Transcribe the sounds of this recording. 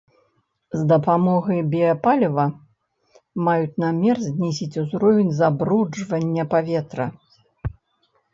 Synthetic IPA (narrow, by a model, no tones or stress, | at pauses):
zd̪ɐpamɔɣɐjbʲiɐpalʲɐvɐ | majut͡sʲnamʲɛrzʲnʲɛsʲit͡sʲuzɾɔvʲenʲzabɾud͡ʐvɐnʲːɐpavʲɛt̪ɾɐ̰